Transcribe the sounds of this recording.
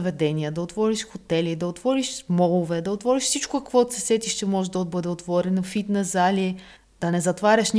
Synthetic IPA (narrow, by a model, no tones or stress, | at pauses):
vɛd̪ɛniəd̪ɐot̪vɔɾiʃxot̪ɛlid̪ɐot̪vɔɾiʃmɔlˠovɛd̪ɐot̪vɔɾiʃfsit͡ʃkʊkɐkvɔt̪sɛ̥sɛt̪iʃt̪ɛmɔʒɛd̪ɐbɤd̪ɛot̪vɔɾɛnofit̪nɐzalʲi | d̪̥ɐnɛzɐt̪vaɾʲəʃn